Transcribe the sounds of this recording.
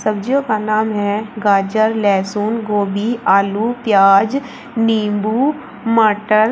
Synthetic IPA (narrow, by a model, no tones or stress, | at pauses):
sɐb̚d͡ʒijõkanaːmɦɛɡaːd͡ʒəɾlɛːsuːnɡoːbiaːluːpjaːd͡ʒ | niːmbuː | məʈəɾ